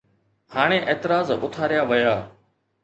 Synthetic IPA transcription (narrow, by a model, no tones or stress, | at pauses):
haːɽ̃ẽːʔeːt̪ɪɾaːzʊ̰t̪ʰaːɾɪjaːʋəjaː